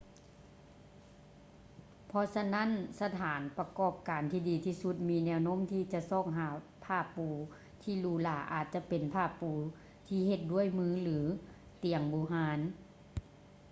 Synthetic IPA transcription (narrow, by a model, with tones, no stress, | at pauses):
pʰɔ˧sa˧na˥˨nsa˧t̪ʰaː˩˦npa˧kɔː˧˩p̚kaː˨˩nt̪ʰiː˧˩diː˨t̪ʰiː˧su˧˦t̪̚miː˧nɛː˧wno˧˥˨mt̪ʰiː˧t͡ɕa˧sɔː˧˩k̚ɦaː˨˩˦ | pʰaː˧˩pːuː˨˩ | t̪ʰiː˧˩luː˧˦laː˨˩ʔa̰ː˨˩t̪̚t͡ɕa˧˨pe˨˩npʰaː˧˩pːuː˨˦ | t̪ʰiː˧˩he˧t̪̚du˥˩˨əjmɯː˧˥˦lɯː˨˦ | t̪i˨˩əŋbuː˨˦ɦaː˧˦n